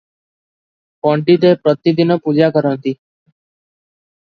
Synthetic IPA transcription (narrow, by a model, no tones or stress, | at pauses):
pɔ̃ɳʈiːt̪eːpɾət̪iːd̪ɪnəːpud͡ʒaːkəɾə̃nt̪iː